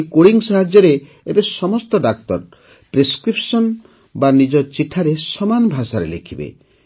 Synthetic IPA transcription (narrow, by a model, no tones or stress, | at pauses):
koɽiŋsaɦad͡ʒjɔɾe | ebesɔmɔst̪ɔɖak̚t̪ɔɾ | pɾeskɾipsɔn | banid͡ʒɔt͡ʃiʈʰaɾesɔmanɔbʱasaɾḛlḛkʰibḛ